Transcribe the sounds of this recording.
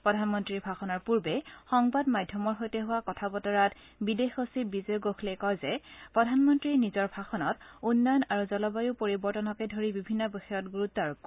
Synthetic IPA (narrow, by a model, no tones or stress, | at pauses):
pɹɔdʱanmɔntɹiɹbʱaxɔnɔɹpuɹbɛxɔŋbadmadʱjɔmɔɹɦojtɛɦʊwakɔtʰabɔtɔɹat | bidexosibizɔɡoxʰlekɔjzɛpɹɔdʱanmɔntɹinizɔɹbʱaxɔnɔtunːɔjɔnaɹuzɔlɔbajupoɹibɔɹtɔnɔkɛdʱoɹibibʱinːɔboxɔjɔtɡuɹutːɔɹ